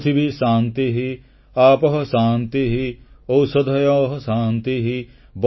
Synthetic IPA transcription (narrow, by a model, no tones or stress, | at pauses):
t̪ʰibiʃãːnt̪iɦi | aːpɐɦɐsaːnt̪iɦiowsɐd̪ʱɐjoːɦsãːnt̪iɦi | b